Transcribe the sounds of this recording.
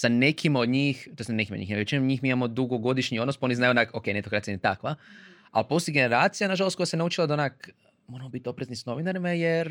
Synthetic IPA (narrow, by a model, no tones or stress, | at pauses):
sane̞kʰimo̞d̪ɲiːxt̪oesnane̞kimo̰dɲixneet͡ʃinomɲiːxmiimamo̞d̪uɡoɡo̞d̪iʃɲiod̪nospaoniznajunakokejnet̪okɾat̪ijaniet̪akʋa | a̰lpo̞sljeɡeneɾaːt̪sijanaʒalo̞st̪koɡasenaut͡ʃilˠad̪onak | mo̞ɾamobit̪io̞pɾeznisno̞ʋinaɾimajeɾ